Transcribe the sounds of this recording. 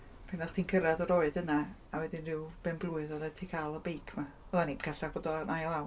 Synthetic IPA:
pʰɛnaχd̥ʰiːnkʰəɾaðɔɾɔɨdəna | awɛdɪnrɪwb̥ɛnblˠʊɨðɔlɛtʰiːkʰalˠɔbejkʰma | ɛlˠaninkʰaɬabɔdɔnajlˠaw

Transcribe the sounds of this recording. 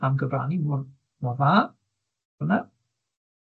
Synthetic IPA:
amɡəbɾa̰ːnimɔːn | mɔvaː | əna

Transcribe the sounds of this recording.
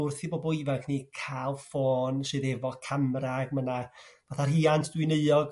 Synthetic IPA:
ʊrθiboːbɔivaŋkʰniːkʰaːlˠfoːnsɨːðɛvɔkʰamraɡmənavaθariːantʰd̥wɪnəɨɔɡ

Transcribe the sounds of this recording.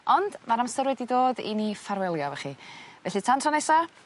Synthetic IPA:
ɔndmaɾamsəɾwɛdidoːdḭnifaɾwɛlˠjɔvɛχivɛɬɨtʰantʰɔnesa

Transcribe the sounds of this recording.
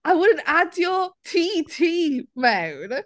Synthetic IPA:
aɪwʊdⁿn̩tadjətʰitʰiːmãwn

